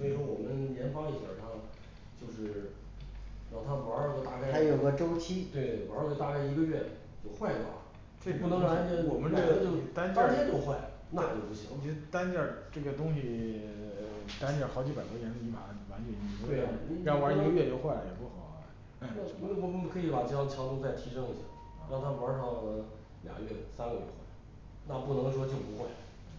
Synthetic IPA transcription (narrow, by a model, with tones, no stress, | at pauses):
swɔ˥i˨˩ʂwɔ˥wɔ˨˩mə˦nljɛ˧˥nfɑ˥ŋi˧˩ɕjə̰˨˩ʂɑ˥˧ŋ | t͡ɕjo˥˧ʊʂɻ̩˥˩ | ɻɑ˥˩˥t̪ʰa˥mə˧˥kə˧˥t̪a˥˧ka˥˧˩a˥ɪjo˨˩˥ɡə˧ʈ͡ʂo˥ʊt͡ɕʰi˥t̪we˥˩ɪwkə˧t̪a˥˩ka˥˩ɪi˧˥ɡə˧ɥɛ˥˩ | t͡ɕjo˥˧ʊxwa˥˩ɪd̪ə̰˨˩˨ | t͡swe˥˩˧pu˥˩nɤ˧˥a˧˥nt͡ɕɛ˥nwɔ˨˩mə˦nʈ͡ʂɤ˥˩ɡə˧t͡ɕjo˥˧ʊ˨˩t̪a˥nt͡ɕɑ˥t͡ɕʰɛ˥t͡ɕjo˥˧ʊxwa˥˩ɪ | na˥˧t͡ɕjo˥˧ʊpu˥˩ɕḭ˧˥ŋi˨˧˩t̪a˥nt͡ɕjɑ˥˩ʈ͡ʂɤ˥˩ɡə˩t̪ʊ˥ŋɕi˨˩ | t̪a˥nt͡ɕjɑ˥˩xɑ˧˥ʊt͡ɕi˧˥pa˨˩ɪt̪wɔ˥jɛ˧˥nt͡s̩˧˩i˧˥ma̰˨˩˦wa˧˥nɥɛ˧˩i˥˨˩we˥˩˧wa˧˥ji˧˥ɡə˧˥ɥɛ˥˧jo˧˥ʊxwa˥˩ɪ˨jɛ˨˩pu˥˩xɑ˨˩˦ | m˧kʰɤ˧˥i˧˥pa˨˩t͡ɕɑ˥t͡ɕʰjɑ˧˥t̪ʊ˥t͡sa˥˩ɪt̪ʰi˧˥ʂɤ˥ŋi˧˩ɕja̰˥˩˥ | t̪ʰa˥mə˞˧˥ʂʰɑ˧˥˩ʊə˧˥ | lj̰ɡə̰˦ɥɛ˥˩sa˥nɡə˧˩jɛ˧˥˩xwa̰˥˩ɪ | na˥˧pu˥˩nɤ˧˥ŋʂwɔ˥t͡ɕjo˥˩ʊpu˧˥xwa˥˩ɪ